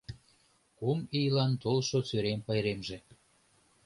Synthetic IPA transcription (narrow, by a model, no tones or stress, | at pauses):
kumijlɑnt̪olʃot͡søɾempəjɾemʒe